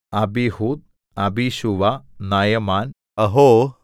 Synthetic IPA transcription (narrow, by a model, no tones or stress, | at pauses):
abihud̪̚ | abiʃuʋanajɐmaːn | ɐɦo